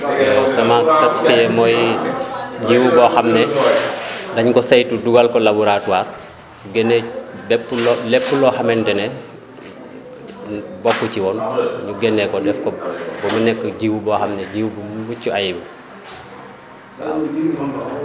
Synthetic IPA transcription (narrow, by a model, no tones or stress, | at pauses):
sɐmastɐtfijɛmɔj | ɟiwubɔxɐmnɛ | dɐɲkɔsɐjtuduɡalkɔlabuɾatuwaːr | ɡɛnːɛbɛpːulɔlɛpːulɔxɐmɛndɛnɛ | bɔkːuciwɔnɲuɡɛnːɛkɔdɛfkɔbɔmɐnɛkːəɟiwubɔxɐmnɛɟiwubumbucːuajbu